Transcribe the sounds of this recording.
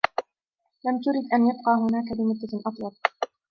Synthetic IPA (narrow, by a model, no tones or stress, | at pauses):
lamt̪ʊɾɪd̪ʔanjab̚qɑːɦʊnaːkabɪmʊd̪ːaʔɑt̪ˤjɑl̚